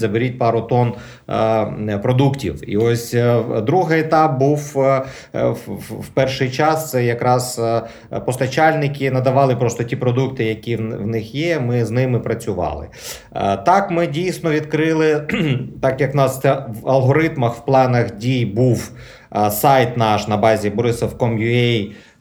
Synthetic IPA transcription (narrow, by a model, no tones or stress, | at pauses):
zɐbɪɾʲit̚ʲpɑɾʊt̪ɔn | pɾɔd̪uktʲiwḭɔsʲd̪ɾuɦɪet̪ɑp̚buw | wpɛrʃɪjt͡ʃɑst̪sɛjɐkɾɑz | pɔst̪ɐt͡ʃɑlʲnɪkʲɪnɐd̪ɐʋɑlˠɪpɾɔst̪ɔtʲipɾɔd̪uk̚t̪ɪjɐkʲiʋnɪxjɛmɪznɪmɪpɾɐt͡sʲʊʋɑ̰lˠɪ̰ | t̪ɑkmɪdʲijsnɔʋʲid̪kɾɪlˠɪt̪ɑkjɐknɑsɛʋɐlˠɦɔɾɪt̪mɐxwplˠɑnɐxdʲijbuw | sɑjt̪nɑʃnɐbɑzʲibɔɾɪsɐwkɔmjʊɛj